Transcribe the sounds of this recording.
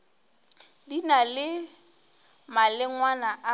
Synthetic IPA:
dinalɪ | malɪŋwanaʔa

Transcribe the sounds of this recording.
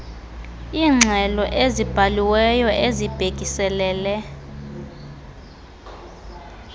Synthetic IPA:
iːŋ͡ǀʱɛlɔʔezib̥ʱaliwɛjɔʔezib̥ʱeɡ̥ʱʼisɛlɛːlɛ

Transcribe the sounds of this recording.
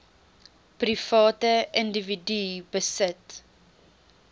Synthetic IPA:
prifɑːtəəndividybəsət

